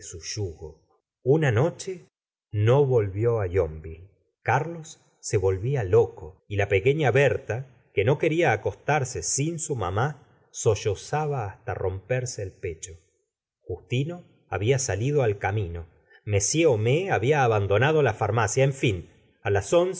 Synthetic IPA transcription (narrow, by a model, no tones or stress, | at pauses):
suʃuɣo | unano̞t͡ʃe | no̞βo̞lβjo̞ajo̞mbi | kaɾlo̞sː | e̞βo̞lβialo̞koilape̞ke̞ɲaβeɾt̪a | ke̞no̞ke̞ɾiaːko̞st̪aɾsesinsuma̰ma | so̞ʃosaβaːst̪a̰rʔo̞mpeɾseːlpet͡ʃo̞ | xust̪ino̞ | aβiasalið̞oalkamino̞ | me̞sje̞omeaβiaːβand̪o̞nað̞o̞lafaɾmasjaeɱfin | alaso̞ns